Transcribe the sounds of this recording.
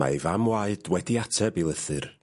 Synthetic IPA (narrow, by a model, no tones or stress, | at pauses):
a̰ivamwaɨd̥wɛdiatʰəbilˠəθɨr